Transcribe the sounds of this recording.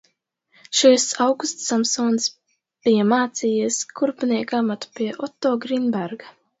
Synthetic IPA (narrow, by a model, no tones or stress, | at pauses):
ʃisawɡust̪samsɔːns | b̥ijamaːt̪siːjiskʰuɾpniɛkamat̪u̥piɛʔɔt̪ːɔːɡɾinbɛɾɡa